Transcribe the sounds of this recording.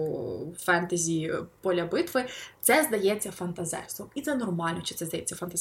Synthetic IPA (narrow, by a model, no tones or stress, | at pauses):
fɛnt̪ɐzʲipɔlʲɐbɪt̪ʋɪt̪sɛzd̪ɐjɛt͡sʲːɐfɐnt̪ɐzɛ̰ɾst̪ʋɔmit̪sɛnɔrmɑlʲnɔt͡ʃɪt̪sɛzd̪ɐjɛt͡sʲːɐfɐnt̪ɐzʲ